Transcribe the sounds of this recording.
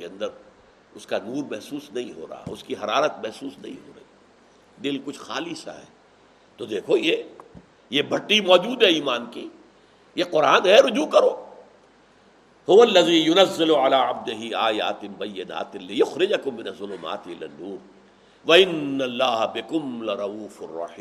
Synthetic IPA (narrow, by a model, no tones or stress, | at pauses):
keɐ̃nd̪əɾ | ʊskanuːɾmɛɦsuːsnɐɦĩɦo̰ːɾa̰ɦa̰ʊskiɦɐɾaːɾət̪̚mɛɦsuːsnɐɦḭ̃ɦo̰ːɾɐ̰ɦiː | d̪ɪlkʊt͡ʃʰxaːlisa̰ɦɛ̰ː | t̪od̪eːkʰoje | jebʱɐʈːimɔːd͡ʒuːd̪ɦɛiːmaːnki | jeqʊɾaːnɦɛɾʊd͡ʒukɐɾoː | hʊʋɐlːɐziːjʊnɐzːɪlʕalaːʕab̚d̪ɪɦɪaːja̰ːt̪ɪbɐjːɪna̰ːt̪ɪlɪjʊxɾɪd͡ʒɐkʊmːɪnɐzːʊlʊma̰ːt̪ɪlɪ̰nːuːɾ | ʋɐɪnːɐlːaːɦbɪkʊmlɪɾˤɑuːfɐrˤːɑ̰ħiː